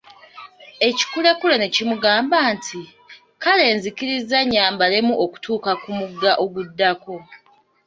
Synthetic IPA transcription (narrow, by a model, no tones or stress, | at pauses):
e̞ci̥kulekulene̞cimuɡaːmbaːntʰi | kale̞ːnzikiɾizːaɲaːmbalemuʔoku̥tuːkakumuɡːaʔo̞ɡudːako̞